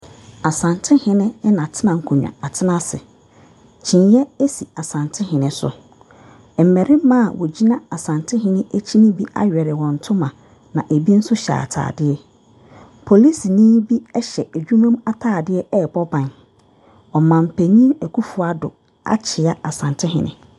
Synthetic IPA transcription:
a˨sã˨ntʰɪ˦hɪ̃˨nɪ̃˦nã˨tʰɪ˦nã˨ŋ̩˨kʰũ˨ɲᶣã̰˨a˨tʰɪ˦nã˦sɪ̰˨ | t͡ɕʰĩ˨njɛ˦e˦si˨a˨sã˨ntʰɪ˦ɦɪ̃˨nɪ̃˦sʊ̰˨ | m̩˨mɛ˨ɾɪ̃˦m˦mã˦˨wʔɔ˨d͡ʑi˦nã˦a˨sã˨ntʰɪ˦ɦɪ̃˦nɪ̃˦e˦t͡ɕʰi˦nĩ˦bi˦ʔa̰˦ɥᶣɛ˨ɾɪ˨wɔ̃˨n̩˨tʰʊ̃˦mã˨ | nã˨ʔe˨bi˦n̩˦sʊ˦ɕɛ̰˨a̰˨tʰa̰ː˨dɪ˦ɛ˦ | pʰo˨li˦si˨nĩː˦bi˦ɛ˦ɕɛ˨æ˨d͡ʑᶣu˦mã˦ma˦tʰaː˨dɪ˦ɛ˦ɛ˦˨bɔ˦bã˨n | ɔ˨mã˨m̩˨pʰæ˨ɲĩ˦æ˨kʰu˦fu˨a˦dʊ̰˨ | a̰˦t͡ɕʰɪ˨a˦a˨sã˨ntʰɪ˦ɦɪ̰̃˨nɪ̰̃˨

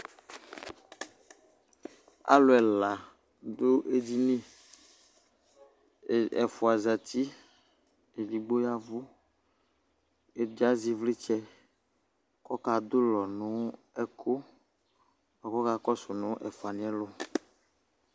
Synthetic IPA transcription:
a̰˦lo˨ɛ˨la˨ | d̪o˦ʔe˦di˦nĩ˦˨ | ɛ̰˨fu˨a˨za˨t̪i˦ | e˨li˨ɡ͡bo˦ja˦vu˦ | e˨bi˦a˦zi˦vle˦t͡ʃɛ˦ | kɔ˦ka˨d̪o˦lɔ˨nũ˦ | ɛ˦kʰo˦ | ɔ˨kɔ˦ka˦kɔ˦so˨nʊ̃˦ʔɛ˨fo˨a˨nĩ˨˦ɛ˦lo˦

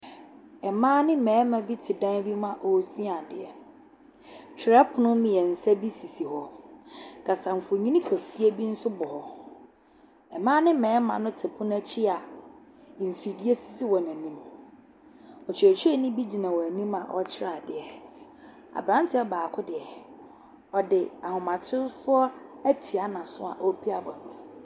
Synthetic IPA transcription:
ɛ˨mãː˦nɪ̃˦mɛ̃ː˨˦mã˨bi˦tʰɪ˨dã˦n˦bi˦mã˨ʔo˨si˦a˨dɪ̰˨ɛ̰˨ | t͡ɕᶣʰɾɛ˦pʰʊ˨nʊ̃˦mĩ˨jɛ˨n̩˨sɛ˦bi˦si˨si˨hɔ˨ | kʰa˨sã˨m̩˨fʊ˨ɲĩ˦nĩ˦kʰæ˨si˦e˦bi˦n̩˦sʊ˦bɔ˨hɔ˨ | ɛ˨mãː˦nɪ̃˦mɛ̃ː˨˦mã̰˨nʊ̃˦tʰɪ˨pʰʊ̃˦n˦æ˦t͡ɕʰɪ˦a˨ | m̩˨fi˨di˦e˦si˦si˦wɔ˨næ̃˨nĩ˦m | ɔ˨t͡ɕʰᶣɪ˨æ˨t͡ɕʰᶣi˦ɛ˦nĩ˦bi˦d͡ʑi˨nã˨wɔ˨æ˨nĩ˦ma̰˨ʔɔ̰˦t͡ɕʰɪ˦ɾa˦˨dɪ˨ɛ˨ | a̰˨bɾã˦ntʰɪ˦ɔ˨˦baː˨kʰʊ˦dɪ˨ɛ˨ | ɔ˨dɪ˨a˨hʊ̃˨mã˨tʰɪ˦ɾfʊ˦ɔ˦æ˦tʰi˨a˨nã˨sʊ˦a̰˨ʔo˦pʰi˦a˦bɔ̃˨n̩˨tʰɪ̥˨

